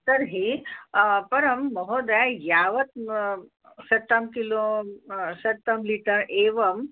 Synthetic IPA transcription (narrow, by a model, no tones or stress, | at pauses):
t̪ɐɾɦi | pɐɾɐmːɔɦod̪ɐjajaʋɐt̪̚ | sɐt̪ːamkilõ | sɐt̪ːamliʈəɾʔeːʋɐm